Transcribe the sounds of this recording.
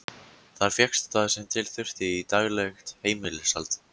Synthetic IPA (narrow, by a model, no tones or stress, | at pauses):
θaɾfjɛkst̪t̪aðsɛmt̪ʰɪlθʏr̥t̪ɪit̪aɣlɛxt̪heːjmɪlɪsalt̪